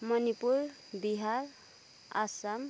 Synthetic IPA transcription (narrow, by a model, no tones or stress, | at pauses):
mʌnipuɾ | biɦaɾ | a̰sam